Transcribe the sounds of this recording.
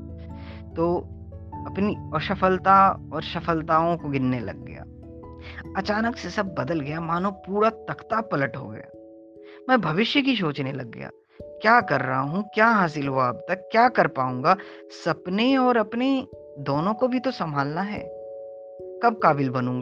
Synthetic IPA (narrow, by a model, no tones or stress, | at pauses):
t̪oː | ɐpniɔːɾʃɐfəlt̪aɔːɾʃɐfəlt̪aːõkoɡɪnːelɐ̰ɡːɐ̰ja̰ː | ɐt͡ʃaːnəksesɐb̚ːɐd̪əlɡɐjamaːnõpuːɾat̪ɐkt̪apɐləʈɦo̰ɡɐ̰ja̰ː | mɛ̃ːbʱɐʋɪʃjəkiʃ̬oːt͡ʃnelɐ̰ɡːɐ̰ja̰ː | kjaːkɐɾːɐɦaɦũkjaːɦaːs̬ɪlɦoaːbt̪ɐkːjaːkɐɾpaːũːŋɡa | sɐpneɔːɾɐpne | d̪oːnõkobʱit̪osɐmbʱaːlnaɦɛ̰ː | kɐb̚kaːbɪlbɐnũːŋɡa